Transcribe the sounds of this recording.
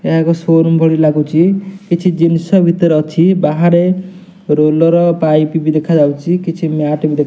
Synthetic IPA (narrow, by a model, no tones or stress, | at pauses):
eɦakɔsoɾmbʱɔɽilaɡut͡ʃʰikit͡ʃʰid͡ʒinsɔbʱit̪ɔɾɔt͡ʃʰibaɦaɾe | ɾolɔɾɔpajpibid̪ekʰad͡ʒawt͡ʃʰikit͡ʃʰimjaʈibid̪ekʰ